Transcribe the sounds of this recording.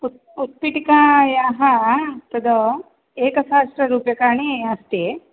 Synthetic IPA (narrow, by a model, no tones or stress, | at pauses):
u | ut̪̚piʈikaːjaːɦɐt̪ɐd̪o | eːkɐsaːsʈɾɐɾuːpjɐkaːɳiɐst̪i